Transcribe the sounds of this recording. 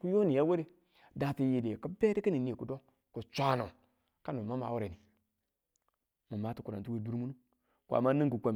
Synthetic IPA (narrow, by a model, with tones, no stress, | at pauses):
ku˦jo˦ni˨ja˦we˦ɾe˦ | da˨ti˨ji˨de˨ka˦be˦di˦ki˦ni˨ni˦e˨ku˨do˦ | ko˨t͡ʃʷa˨˦no˨ | ka˦nu˨ma˦ma̰˨wu˦ɾe˨ni˨ | mu˨ma˦tu˦ku˨ɾa˨tu˦we˦du˦ɾmu˦nu˦ | kʷa̰˨ma˦ni˦ŋku˨kʷa˨m˨